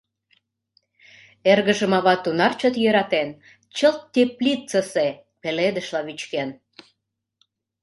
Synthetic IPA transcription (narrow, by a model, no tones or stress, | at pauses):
erɣə̆ʒə̆mɑβɑt̪ːunɑrt͡ɕə̆t̪jø̆ɾɑt̪en | t͡ɕəlt̪ːeplit̪t͡səse | peled̪ə̆ʃlɑβyt͡ɕken